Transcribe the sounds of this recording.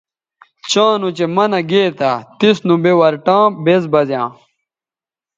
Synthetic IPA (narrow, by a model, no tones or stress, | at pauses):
t͡ɕãːnut͡ɕemɐnɐɡeːt̪at̪isnũbewɐɾʈãːbezbɐzjãː